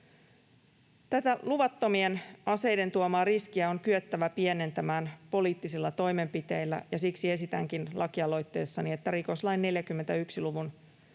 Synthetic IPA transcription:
t̪æt̪æluʋɑt̪ːo̞mie̞nɑse̞jde̞nt̪uomɑːriskiæo̞ŋkyøt̪ːæʋæpie̞ne̞nt̪æmæːnpo̞liːt̪ːisilːɑt̪o̞jme̞mpit̪eijlːæ̰jɑsiksie̞sit̪æŋkinlʔɑkiɑlo̞jt̪ːe̞̰ːsːɑniet̪ːæɾiko̞slɑjnːe̞ljækymːe̞nt̪æyksiluʋun

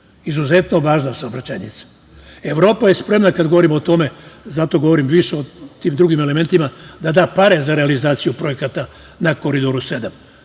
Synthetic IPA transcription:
izuze̞t̪no̞ʋaːʒnasaobɾat͡ɕajɲit̪sḁ | e̞ʋɾo̞ːpaje̞spɾe̞mnakad̪ɡo̞ʋo̞ɾimo̞t̪o̞me̞zat̪o̞ɡoʋo̞ɾimʋiʃeot̪iːmd̪ɾuɡime̞leme̞nt̪imad̪ad̪aːpaɾe̞zaɾe̞alizaːt̪sijupɾo̞je̞kat̪a | nako̞ɾid̪oɾuse̞d̪am

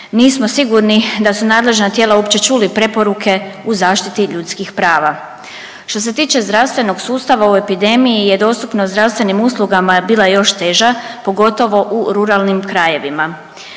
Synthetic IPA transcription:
niːsmo̞siɡuɾnid̪asunaːd̪le̞ʒnat̪jelaopt͡ɕe̞t͡ʃulipɾe̞po̞ɾukʰe̞uzaːʃt̪it̪iʎuːt̪skixpɾaːʋa | ʃt̪o̞s̬e̞t̪iːt͡ʃe̞zd̪ɾawst̪ʋe̞no̞ɡsuːst̪aʋaue̞pid̪e̞mijije̞d̪o̞ːst̪upnozd̪ɾast̪ʋe̞nimusluɡamabiːlˠajo̞ʃt̪e̞ːʒapo̞ɡo̞t̪o̞ʋo̞ʔuɾuɾaːlnimkɾaje̞ʋima

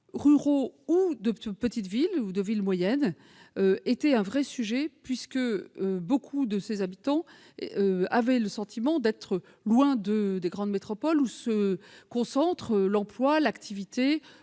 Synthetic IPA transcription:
ʁyʁoud̪əpət̪it̪vilud̪əvilmwajɛn | øet̪ɛɛ̃vʁɛsyʒɛpɥiskəøbokʰud̪əsezabit̪ɑ̃ | avɛləsɑ̃t̪ʰimɑ̃d̪ɛt̪χə | lwɛ̃d̪əd̪eɡʁɑ̃d̪met̪χɔpɔlusəkɔ̃sɑ̃t̪χəlɑ̃plwalakt̪ʰivit̪e

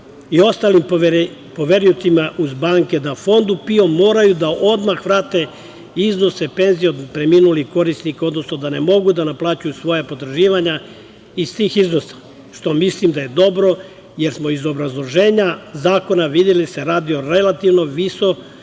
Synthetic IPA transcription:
io̞st̪aːlim | po̞ʋe̞ɾijut̪imaʔuzbaːŋke̞d̪afo̞nd̪upio̞mːo̞ːɾajud̪aʔo̞d̪maxʋɾaːt̪e̞ | izno̞sepe̞nzijod̪pɾemiːnuliko̞ɾisnikao̞d̪no̞sno̞d̪ane̞mo̞ɡud̪anaplˠaːt͡ɕujusʋo̞japo̞t̪ɾʒiːʋaɲa | ist̪iːxizno̞sḁ | ʃt̪o̞mislimd̪aje̞d̪o̞bɾo̞ | je̞ɾsmo̞izo̞bɾazlˠo̞ʒe̞ːɲazaːko̞naʋid̪jeliseɾaːd̪io̞ɾe̞lat̪iʋno̞ʋiso̞

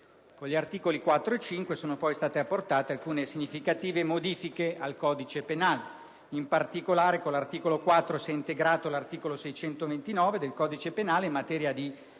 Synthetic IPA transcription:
koɲʎiart̪iːkolikwat̪ːɾoet͡ʃiŋkwesoːnopɔjst̪aːt̪eapːort̪aːt̪ealkuːnesiɲːifikat̪iːvemod̪iːfikealkɔːd̪it͡ʃepenaːle | impart̪ikolaːɾekolːart̪iːkolokwat̪ːɾosiɛint̪eɡɾaːt̪olart̪iːkolosɛjt͡ʃɛnt̪ovent̪inɔːved̪elkɔːd̪it͡ʃepenaːleimːat̪ɛːɾjad̪i

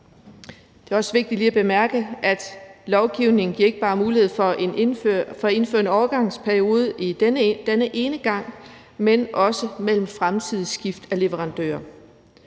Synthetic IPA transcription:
dd̥e̝æɐɒ̽səʋe̝ɡ̥̚d̥id̥liːæb̥e̝mæɐɡ̥əʔæd̥lɒʊɡ̥iʊne̝ŋ̩ɡ̥iɐe̝ɡ̥əb̥ɑ̈ːmuːlihe̝ð̞̰ˠfɒʔenføfɒ̽æe̝nfø̰ːɐe̝nɒʊɐɡ̥ɑ̈ŋ̰spʰæɐio̝ːð̞ˠəʔi̥nd̥enəʔe̝ːnəɡ̥ɑ̈ŋ̰ | menʔɒ̽səmel̰m̩fʁamt͡sʰið̞̰ˠsɡ̥ifd̥æle̝ʋəʁɑ̈nd̥ø̰ːɐ

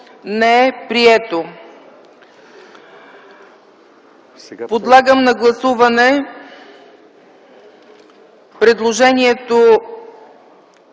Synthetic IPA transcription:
nɛɛpɾiɛt̪o | pod̪lˠaɡəmnɐɡlˠɐsuvɐnɛ | pɾɛd̪lˠoʒɛniɛt̪o

